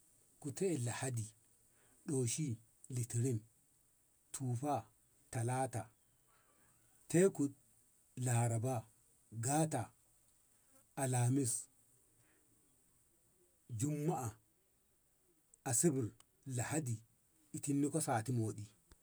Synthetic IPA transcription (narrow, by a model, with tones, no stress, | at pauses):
ku˨tɛ˦˨la˨ha˦di˨ | ɗoː˨ʃi˦ | li˨ti˨ɾi˦n | tʰuː˨fa˦ | ta˨laː˦ta˨ | te˦ku˨ | la˨ɾa˨ba˦ | ɡaː˦ta˨ | a˨laː˨mi˦s | d͡ʒu˦mːa˦ʔa˨ | a˨si˦bi˨ɾ | la˨ha˦di˨ | i˨ti˦nːi˦kɔ˦saː˨ti˦moː˨ɗi˨